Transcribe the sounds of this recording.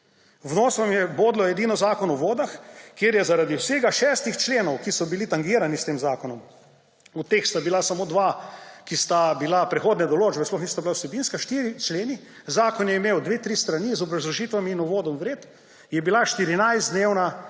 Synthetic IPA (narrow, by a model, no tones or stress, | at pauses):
wnoːsʋamjɛboːd̪lɔɛd̪iːnɔzaːkɔnɔʋoːd̪axkjeːɾjɛzaɾad̪iwseːɡaʃɛːst̪ixt͡ʃleːnɔwkisɔbilit̪aŋɡiːɾanist̪eːmzaːkɔnɔm | ut̪eːxst̪abilasamoːd̪ʋakist̪abilapɾɛxoːd̪nɛd̪ɔloːd͡ʒbɛsplɔxnist̪abilawsɛbiːnskaʃt̪iːɾit͡ʃleːni | zaːkɔnjɛimeːwd̪ʋeːt̪ɾist̪ɾanizɔbɾazlɔʒiːt̪ʋamiːnɔʋoːd̪ɔmʋɾeːt̪ | jɛbilaʃt̪iɾinajzd̪d̪neːwna